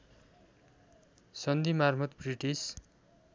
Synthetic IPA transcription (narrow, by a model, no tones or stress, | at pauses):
sʌnd̪imarmʌt̪briʈis